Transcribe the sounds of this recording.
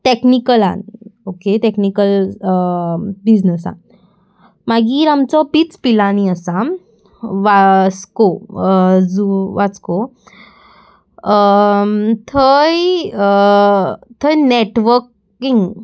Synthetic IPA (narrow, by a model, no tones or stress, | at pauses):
ʈeknikəla̰nokeʈeknikəl | bid͡znəsa̰n | maɡiːɾamt͡sɔpit͡spilaniəsa | ʋasko | d͡zuʋat͡sko | t̪ʰəj | t̪ʰəjneʈʋəɾk | iŋɡ